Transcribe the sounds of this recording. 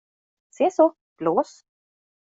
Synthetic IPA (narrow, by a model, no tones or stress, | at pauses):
seːso | b̥loːs